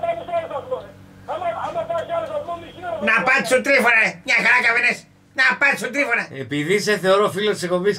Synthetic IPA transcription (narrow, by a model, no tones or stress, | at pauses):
nɐpɐt̪sunt̪ɾifoɾɐemɲɐxɐɾacɐvenes | nɐpɐt̪sunt̪ɾifoɾɐepiðiseθeoɾofilot̪isekoβis